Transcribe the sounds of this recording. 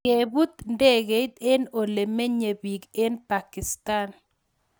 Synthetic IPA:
ke˨bu˦t̪nde˦ɡe˨i˦t̪e˦no˨le˨me˦ɲe˨bi˨ɡe˦npa˨kɪ˨st̪a˦n

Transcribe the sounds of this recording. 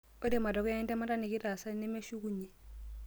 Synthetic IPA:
o˦di˦˨ma˨dɔ˨kɔ˦ja˦ɛ˦ntɛ˦ma˦ta˦ni˨kɪ˦ɾa˨sa˦ne˦me˦ʃu˦k̬u˦ɲe˨

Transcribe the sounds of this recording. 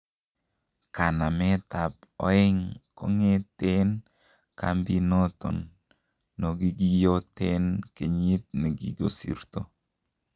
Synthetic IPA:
ka˨na˨mɛ˦t̪a˨p̚ɔ̰˦ɪ˦ŋko̰˦ŋe˦t̪e˦n | ka˦mbi˦nɔ˦t̪ɔ̰˨nː | o˨ɡi˦ɡi˦jo˦te˦nke˨ɲi˦t̪̚ne˨ɡḭ˨ɡo˨sḭ˨ɾt̪o˨

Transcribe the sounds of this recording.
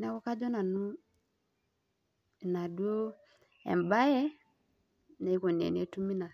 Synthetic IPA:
na˦kɔ˦ka˦d͡ʒɔ˦na˨nu˦˨ | na˨du˦o˦ | ɛ̰˨m˨ba˦jɛ˦ | na˨˦i˦ko˨nḛ˨nḛ˦tu˦mi˦na˨

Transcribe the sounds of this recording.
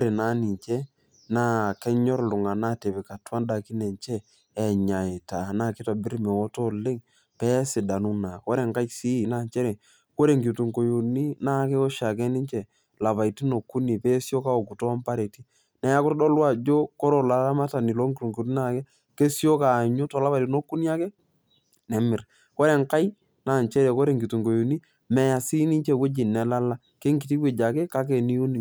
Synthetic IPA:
ko˦ɾe˨na˦ni˨ɲt͡ʃɛ˦ | na˦˨kɛ˦ɲɔ˦ɾlʊ˨ŋa˨na˦te˨bɛ˨ka˨twa˦nda˨ki˦nɛ˨ɲt͡ʃɛː˦˨ | ɲa˨ɪ˨ta˨na˦˨kɪ˦ta˨bɪ˦ɾmɛ˨wɔ˦to˦lɪ˦ŋ | pɛ˦sɪ˨da˨nu˦na˨ko˦ɾe˨ŋka˦t͡ʃsi˦˨na˦ɲt͡ʃɛ˦ɾe˨ | ko˦ɾe˨ŋɡi˨tu˨ŋko˨jo˨ni˦na˦˨ke˦ɔ˦ʃa˨k̬ɛ˦nɪ˦ɲt͡ʃɛ˨ | la˨βa˨i˨ti˦no˨kːu˦ni˨pɛ˦sjo˦ka˦o˨ku˨to˦a˦mpa˦ɾe˨ti˦ | nɛ˨ja˦kʊ˦tdɔ˦lwa˦˨d͡ʒo˦ko˦ɾo˨la˨la˦ma˦ta˨nɪ˨lo˦ŋɡɪ˨tu˨ŋɡu˨ti˦na˨kɛ˦ | ke˦sjo˦ka˨ɲo˦tɔ˨la˦βa˨ti˦no˦kːu˦ni˦a˦kɛ˦ | nɛ˨mɪ˨r | ko˦ɾe˨ŋka˦j | na˨ɲt͡ʃɛ˦ɾɛ˨ko˦ɾe˨ŋɡi˨tu˨ŋɡo˨jo˨ni˦ | mɛ˨ja˨si˦nɪ˦t͡ʃɛ˨we˦d͡ʒɪ˨nɛ˨la˦la˦ | ke˦ŋɡi˨ti˦ke˨d͡ʒa˨kɛ˦ka˦k̬e˨ni˦u˦ni˨

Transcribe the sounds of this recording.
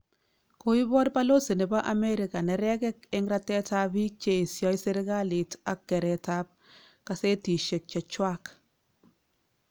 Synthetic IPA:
ko˦i˦bɔ˦ɾpa˦lo˦se˨nɛ˨ba˦ʔa˨me˦ɾɪ˨ka˨nɛ˨ɾɛ˦kɛ˦k̚e˦ŋɾa˦tɛ˦ta˦bi˦k̚t͡ʃe˨i˨sjɔ˦jse˦ɾɪ˦ɡa˦lɪ˨ta˨kːɛ˨ɾɛ˨ta˦p̚ | ka˨se˦ti˨ʃe˨k̚t͡ʃɔ˨t͡ʃwa˦k

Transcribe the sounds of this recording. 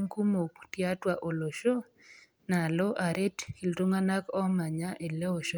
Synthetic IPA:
ŋku˦mo˨ktja˦twa˨ʔo˨lo˨ʃo˦ | na˨lɔ˦ʔa˨ɾe˦tki˨lto˦ŋa˦na˦kɔ˦ma˨ɲa˦ʔe˨le˦o˨ʃo˦

